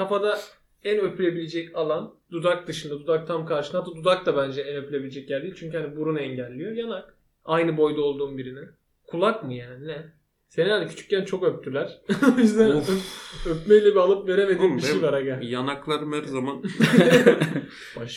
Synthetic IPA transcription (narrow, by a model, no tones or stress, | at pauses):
kʰafad̪a | ænøpʰylʲe̞bilʲed͡ʒɛcalˠand̪ud̪ak̚d̪ɯʃɯnd̪ad̪ud̪ak̚t̪ʰamkʰaɾʃɯnat̪ːad̪ud̪ak̚t̪abænd͡ʒɛænøpʰylʲe̞bilʲed͡ʒɛc̚jæɾd̪iːlʲt͡ʃʰyɲcyhanibuɾunɛɲɟælʲːijojanak | ajnɯbo̞jd̪ao̞lˠd̪uːnbiɾini | kʰulˠakmɯjaːninɛ | se̞ninalʲicʰy̥t͡ʃʰy̥ccænt͡ʃʰo̞køp̚t̪ʰyɾlʲæɾ̥izd̪æ | øpmejlʲɛbialˠɯpve̞ɾemed̪iːiʃejvaɾaɡajanaklˠaɾɯmæɾzaman | b̥aʃ